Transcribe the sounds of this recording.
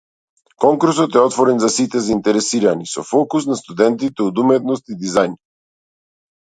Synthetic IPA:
kɔŋkuɾsɔt̪ɛɔt̪vɔɾɛnzasit̪ɛzaint̪ɛɾɛsiɾanisɔfɔkus̬nast̪ud̪ɛnt̪̬it̪ɛɔd̪umɛt̪nɔst̪id̪izajn

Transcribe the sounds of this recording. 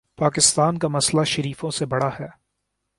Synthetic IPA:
paːkɪst̪aːnkamɐslaʃɐɾiːfõsebɐɽahɛː

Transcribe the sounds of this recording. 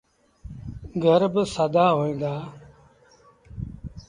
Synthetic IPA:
ɡʱəɾbɪsəd̪aːɦoːĩːnd̪aː

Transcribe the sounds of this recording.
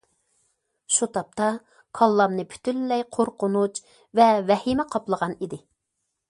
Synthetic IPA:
ʃut̪ʰɑp̚t̪ɑ | kʰɑlˠːɑmnɨpʰy̥t̪ʰylːɛjqʰoɾqʊnut͡ʃ | vɛvɛhimɛqʰɑplˠəʁɑnid̪ɪ

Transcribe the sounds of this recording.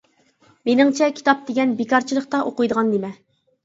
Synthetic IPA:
menɪŋt͡ʃʰɛkʲʰi̥t̪ɑp̚d̪eɡʲɛnbekɑɾt͡ʃʰilˠəχt̪ɑʔoqʊjd̪əʁɑnd̪emɛ

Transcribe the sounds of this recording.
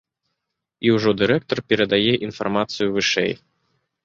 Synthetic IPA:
iwʐɔd̪ɨɾɛk̚t̪ɐrpʲɛɾɐd̪ajɛʔinfarmat̪sɨjuvɨʂɛ̰j

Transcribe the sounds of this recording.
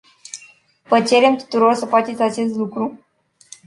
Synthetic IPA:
vət͡ʃe̞ɾe̞mt̪u̥t̪uɾo̞rsəfat͡ʃe̞t̪sʲat͡ʃe̞st̪lukɾu

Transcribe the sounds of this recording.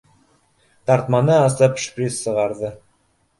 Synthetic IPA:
t̪ɑɾt̪mɑnɤɑsɤpʃpʲrʲisːɤ̆ʁɑɾðɤ

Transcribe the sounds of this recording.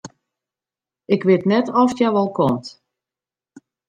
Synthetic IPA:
ɪkʋɪtnɛtɔftjɛʋɔlˠkʰɔmt

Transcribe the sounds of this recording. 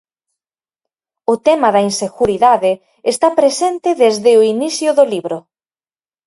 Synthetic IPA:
ʊt̪ɛmɐðɐinseɣuɾiðaðɪ | est̪apɾesent̪ɪðezðɪoiniθjʊðʊliβɾʊ

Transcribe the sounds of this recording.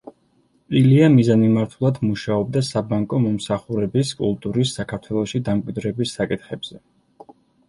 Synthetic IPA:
pʼiliamizanimaɾt̪ʰulˠad̪muʃaɔb̚d̪asabaŋkʼɔmɔmsaχuɾɛbiskʼulˠt̪ʼuɾisːakʰaɾt̪ʰwɛlˠɔʃid̪amkʼwid̪ɾɛbisːakʼit̪χɛbz̥ɛ

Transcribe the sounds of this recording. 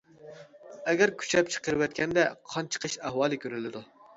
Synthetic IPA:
ɛɡʲɛɾkʲʰy̥t͡ʃʰɛp̚t͡ʃʰə̥qəɾɨwɛt̪kʲʰɛnd̪ɛqʰɑnt͡ʃʰə̥qʰəʃæhwɑːlˠɨkʲʰøɾɪlɪd̪u

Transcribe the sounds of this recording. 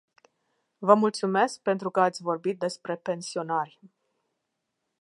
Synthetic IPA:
vəmult̪sume̞sk̚pe̞nt̪ɾukəat̪sʲvo̞rbit̪̚d̪e̞spɾe̞pe̞nsio̞narʲ

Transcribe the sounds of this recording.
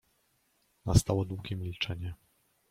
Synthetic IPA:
nast̪awɔd̪wuɡʲɛmʲilt͡ʂɛɲɛ

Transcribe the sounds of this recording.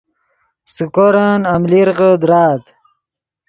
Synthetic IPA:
sukoɾanamliɾʁəd̪ɾaːd̪

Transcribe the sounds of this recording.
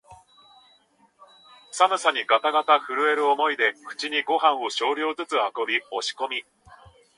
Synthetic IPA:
samɯ̟saɲ̟iɡat̪aɡat̪aɸɯ̟ɾɯ̟e̞ɾɯ̟omo̞id̪e̞kɯ̟̥t͡ɕiɲ̟iɡo̞ɦãɰ̃o̞ɕo̞ːɾʲo̞ːzɨt͡sɨhako̞bʲio̞ɕi̥ko̞mʲi

